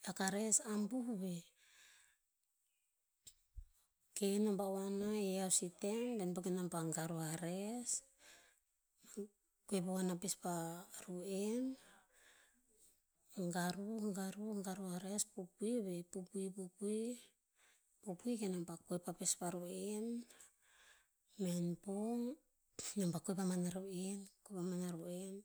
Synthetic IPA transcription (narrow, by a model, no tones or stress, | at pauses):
lakaɾe̞sambuhuβe̞ | kenombawanaeawsitendenbakenampaŋɡaɾuaɾes | kuepawanapespaɾuen | ŋɡaɾuŋɡaɾuŋɡaɾuaɾespupuiβepupuipupui | pupuikenampakoepapespaɾoen | menpoŋ | nampakojpamanaɾoenkopamanaɾoen